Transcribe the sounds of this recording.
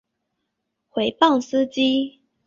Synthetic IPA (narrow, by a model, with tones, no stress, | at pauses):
xwe˨˦ɪpɑ˥˨ŋs̩˦t͡ɕi˦